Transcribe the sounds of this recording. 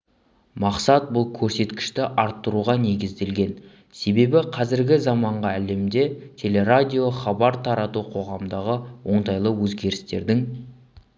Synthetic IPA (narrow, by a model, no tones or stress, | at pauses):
mɑqsɑt̪̚bʊlˠkʲʰɵɾse̞t̪kʲɪ̥ʃt̪ɪʔɑɾt̪ːəɾuʁɑne̞ɡʲɪzd̪e̞lɡʲe̞n | se̞be̞bɪqʰɑzɪɾɡʲɪzɑmɑɴʁɑæle̞md̪e̞t̪ʲʰe̞le̞ɾad̪ʲijo̞χɑbɑɾt̪ʰɑɾɑt̪uqʰo̞ʁɑmd̪ɑʁəwo̞ɴt̪ɑjlˠəwɵzɡʲe̞ɾɪst̪e̞̰ɾd̪ɪŋ